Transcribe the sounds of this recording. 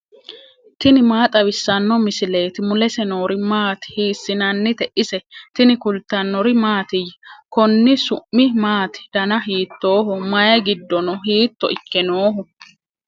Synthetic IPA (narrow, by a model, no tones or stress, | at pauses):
t̪ɪnɪmaːt̪ʼɐwɪsːɐnːɔmɪsɪle̞ːt̪ɪmʊlɛsɛno̞ːɾɪmaːt̪hiːsːɪnɐnːɪt̪ɛʔɪsɛt̪ɪnɪkʊlt̪ɐnːɔɾɪmaːt̪ɪjkɔnːɪsʊʔːɪmaːt̪ɪ̥d̪̥ɐnɐɦiːt̪ːo̞ːɦɔmɐjɐɡɪd̪ːɔnɔɦiːt̪ːɔ̰ʔɪkːɛnoːɦɔ